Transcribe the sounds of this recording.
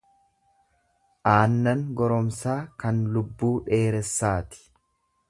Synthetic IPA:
ʔaːnːɐŋɡɔɾɔmsaːkɐnlʊbːuːᶑe̞ːɾɛsːaːt̪ɪ̥

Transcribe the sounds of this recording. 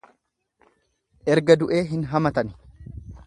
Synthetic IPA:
ʔɛɾɡɐd̪ʊʔe̞ːɦɪnɦɐmɐt̪ɐn

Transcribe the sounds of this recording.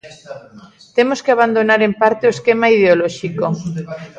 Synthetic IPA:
t̪emoskeaβand̪onaɾempaɾt̪eoeskemaið̞eolɔʃiko

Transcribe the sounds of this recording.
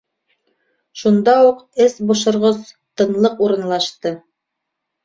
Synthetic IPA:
ʃund̪ɑuqɘsbŏʃŏɾʁoz | t̪ɤ̆nlˠɤquɾɤ̆nlˠɑʃt̪ɤ

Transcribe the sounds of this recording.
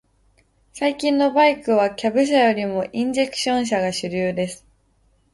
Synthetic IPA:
saikʲĩnːo̞baikɯ̟β̞akʲabɯ̟ɕ̬ajo̞ɾʲimo̞ʔĩɲd͡ʑe̞kɯ̥ɕõ̞ɰ̃ɕ̬aɡaɕɨɾʲɨːd̪e̞sɨ̥

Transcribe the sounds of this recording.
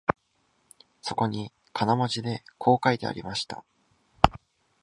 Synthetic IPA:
so̞ko̞ɲ̟i | kʰanamaʑid̪e̞kʰo̞ːkaid̪e̞̰a̰ɾʲimaɕi̥t̪a̰

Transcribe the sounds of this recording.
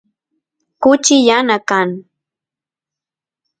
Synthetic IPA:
kʊt͡ʃɪjanakaŋ

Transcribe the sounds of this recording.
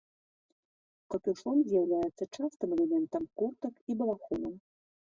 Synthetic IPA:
kɐpʲuʂɔmzʲjawlʲajɛt̪sːɐt͡ʂast̪ɨmɛlʲɛmʲɛnt̪ɐmkurt̪ɐkibɐlˠaxɔnɐm

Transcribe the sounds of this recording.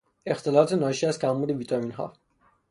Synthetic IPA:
e̞xt̪ʰe̞lɒːt̪ʰenɒːʃiæst̪kʲʰæmːuːd̪eviːt̪ʰɒmiːnɦɒ̰ː

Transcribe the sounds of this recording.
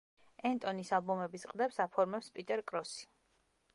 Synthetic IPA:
ɛnt̪ʼɔnisalˠbɔmɛbisqʼd̪ɛpsapʰɔɾmɛpspʼit̪ʼɛɾkʼɾɔsi̥

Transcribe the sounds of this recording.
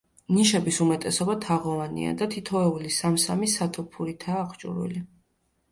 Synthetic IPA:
niʃɛbisumɛt̪ʼɛsɔbat̪ʰaʁɔvanḭa̰d̪at̪ʰit̪ʰɔɛulisamsamisat̪ʰɔpʰuɾit̪ʰaːχʰt͡ʃʼṵɾwḭli

